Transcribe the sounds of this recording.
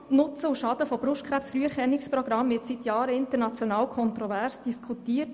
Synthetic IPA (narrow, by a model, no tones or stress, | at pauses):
nʊt͡səuʃɑd̥əfob̥ɾʊʃtkχɾæpsfɾyːəɛɾχɛnːɪkspɾɔɡɾɑmvɪtsitjɑːɾəɪntəɾnɑt͡sjonɑːwkʰɔntɾovæɾsd̥iskʰutiːət